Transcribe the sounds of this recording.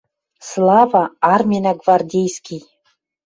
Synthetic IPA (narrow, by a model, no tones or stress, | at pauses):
slˠɑvaːrmʲenaɡvardʲejskʲij